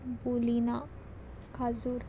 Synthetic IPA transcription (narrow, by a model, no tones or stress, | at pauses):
bulina | kʰazuɾ